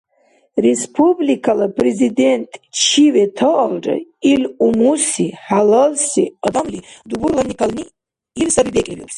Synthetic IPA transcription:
rɛspʰublikʰalapʼrɛzid̪ɛnt̪ʼt͡ʃʰivɛt̪ʰɔʔɔlrɛ̰ilumusiħalɐlsiɔd̪amlid̪ubuɾlˠanikʰalniː | lsabibɛkʼlʲibips

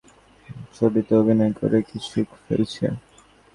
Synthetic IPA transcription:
ʃobit̪oobʱinojko̰ɾekit͡ɕʰukfḛlt͡ɕʰḛ

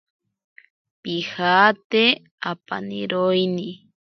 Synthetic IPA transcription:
pihaːt̪e | apa̰nḭɾojni

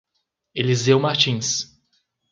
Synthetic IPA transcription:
elizewmaɾt͡ʃĩs

